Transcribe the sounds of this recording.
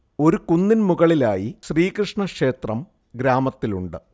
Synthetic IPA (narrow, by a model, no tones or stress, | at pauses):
o̞ɾukunːinmuɣɐɭilaːjiɕriːkrɨʂɳɐkʂe̞ːt̪rɐm | ɡɾaːmɐt̪ːiluɳɖɨ